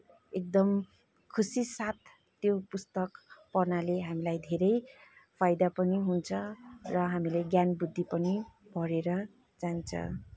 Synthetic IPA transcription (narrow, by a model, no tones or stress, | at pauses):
ek̚d̪ʌm | kʰusisat̪ː | jopust̪ʌkpʌrnaleɦamilajd̪ʱeɾʌjpʰajd̪apʌniɦunt͡sʰʌrʌɦamileɡjanbud̪ʱːipʌnipʌɾeɾʌ | d͡zant͡sʰʌ̰